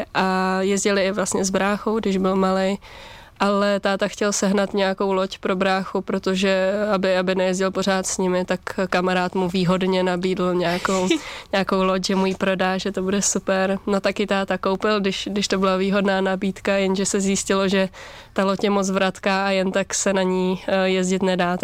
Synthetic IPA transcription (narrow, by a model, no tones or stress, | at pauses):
ʔajɛzɟɪlɪɪvlast̪ɲɛzbɾaːxowɡdɪʒbɪlmalej | ʔalɛt̪aːt̪axcɛlsɛɦnat̪ɲɛjako̞wlo̞cpɾo̞bɾaːxupɾot̪oʒɛabɪabɪnɛjɛzɟɪlpo̞ɾ̝aːt̪sɲɪmɪt̪akkamaɾaːt̪muviːɦo̞dɲɛnabiːdl̩ɲɛakowɲɛakowlocʒɛmujipɾo̞daːʒɛt̪o̞budɛsupɛɾno̞t̪akɪt̪aːt̪akowpɪlɡdɪʃdɪʃt̪o̞bɪlaviːɦo̞dnaːnabiːt̪kajɛnʒɛsɛzjiscɪloʒɛt̪alocjɛmot͡svɾat̪kaːʔajɛnt̪aksɛnaɲiːjɛzɟɪt̪nɛdaːt̪